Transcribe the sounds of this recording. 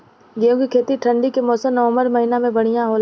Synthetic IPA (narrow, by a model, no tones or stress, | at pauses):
ɡeõkikʰeːt̪iʈʰə̃ɳɖikemɔːsəmnɐʋə̃mbəɾmɐɦiːnamẽbɐɽ̤̃ijãɦoːl